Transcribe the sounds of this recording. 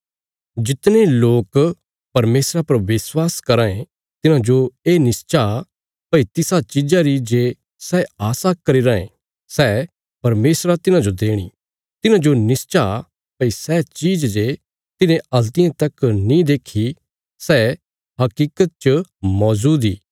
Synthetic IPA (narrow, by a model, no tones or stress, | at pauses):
d͡ʒɪt̪nẽloːk | pɐɾmeːsɾapɐɾʋɪswaːskɐɾãːẽ | t̪ɪnãd͡ʒoeːnɪst͡ʃa | pɐit̪ɪsat͡ʃɪd͡ʒaɾid͡ʒeː | sɛːaːsakɐɾiɾaːḛ̃ | sɛː | pɐɾmeːsɾat̪ɪnãd͡ʒod̪eːɽ̃ḭ | t̪ɪnãd͡ʒonɪst͡ʃa | pɐisɛːt͡ʃiːd͡ʒd͡ʒe | t̪ɪnẽɐlt̪ɪjãt̪ɐknĩd̪eːkʰi | sɛː | ɦɐkiːkət̪̚t͡ʃmɔːzuːd̪iː